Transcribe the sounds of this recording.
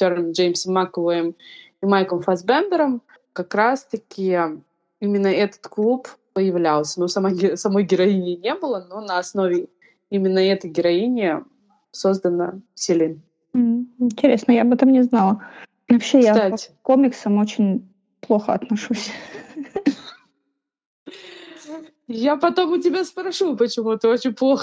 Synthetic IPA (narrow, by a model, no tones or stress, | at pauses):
sʲoɾənd͡ʒejmʲsəmːakəvəjɪm | imajkəmfɐzbɛnd̪əɾəm | kɐkɾast̪ɐkʲɪ | imʲɪnːəɛt̪ə̥t̪klˠuppəjɪvlʲalˠsʲənosɐmaɡʲɪsɐmojɡʲɪɾɐinʲɪnʲebɨlˠənonəɐsno̞vʲɪ | imʲɪnːəɛt̪əjɡʲɪɾɐinʲɪ | so̞zd̪ənə̰sʲɪlʲɪn | m̩ɦ̩ɪnʲtʲɪɾʲe̞snəjabɛt̪əmnʲɪznɑlˠə | vɐpɕːejsaaptʲkomʲɪksəmo̞t͡ɕɪnʲ | plˠo̞xəɐt̪nɐʂusʲ | japɐt̪o̞mʊtʲɪbʲaspɾɐʂupət͡ɕɪmuɛt̪əot͡ɕɪnʲplˠoxə